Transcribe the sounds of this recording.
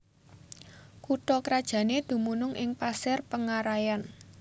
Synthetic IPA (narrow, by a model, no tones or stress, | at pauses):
kuʈɔkəɾad̥ʒ̥ä̤ned̪̥ṳmunʊŋʔɪŋpasɪrpəŋaɾajan